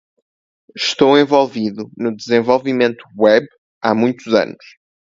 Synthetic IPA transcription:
ʃt̪owẽvolˠviðunud̪ɨzẽvolˠvimẽnt̪u̥wɛβ | amũj̃t̪uzɐ̰nʊʃ

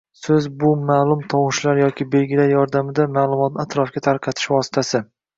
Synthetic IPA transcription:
sɵzbʊmaːlˠʊmt̪ʰɒwʊʃlaɾjɒkʲɪbe̞lɡʲɪlajɒɾd̪amɪd̪amaːlˠʊmɒt̪̚nɪat̪ɾɒfɡʲat̪ʰaɾqʰɑt̪ʰɪ̥ʃvɒsɪ̥t̪ʰasɪ

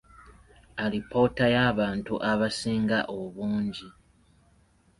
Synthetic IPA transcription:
alipo̞tajaːβaːntuʔaβasiːŋɡaʔoβuːɲɟi

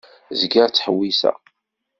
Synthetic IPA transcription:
zɡaɾt͡sːħəwːisæ̰

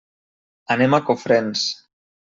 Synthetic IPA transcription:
anemakofɾens

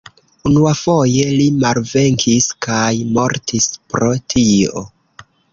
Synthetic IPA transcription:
unuafo̞je̞limalve̞ŋkʰiskajmo̞ɾtʰispɾo̞tʰio̞̰

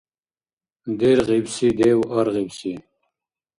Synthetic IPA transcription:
d̪eɾʁibsid̪ewɐɾʁibsi

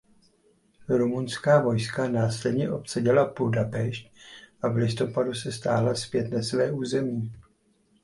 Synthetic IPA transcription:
ɾumunskaːvo̞jskanaːslɛdɲɛʔo̞psɛɟɛlapudapɛʃc̚ʔavlɪst̪o̞padusɛst̪aːlaspjɛt̪nasvɛːʔuːzɛmiː

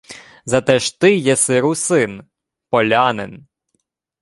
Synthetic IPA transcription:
zɐt̪ɛʃt̪ɪjɛsɪɾusɪn | pɔlʲanen

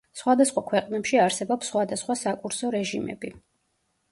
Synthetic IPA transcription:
sχwad̪asχwakʰwɛqʼnɛpʃiaɾsɛbɔpsχwad̪asχwasakʼuɾsɔɾɛʒimɛ̰bi

